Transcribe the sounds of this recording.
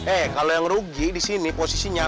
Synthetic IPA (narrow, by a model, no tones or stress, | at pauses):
ɛhkalojaŋɾuɡidisiniposisiɲa